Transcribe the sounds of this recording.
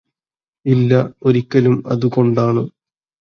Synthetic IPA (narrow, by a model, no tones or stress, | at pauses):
ilːɐo̞ɾikʲːɐlumɐ̰ðuko̞ɳɖaːɳɨ